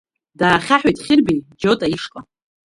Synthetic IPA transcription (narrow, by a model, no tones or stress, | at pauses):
daːχʲaħᶣojtʼχʲɪrbejd͡ʒotʼaiʂkʼa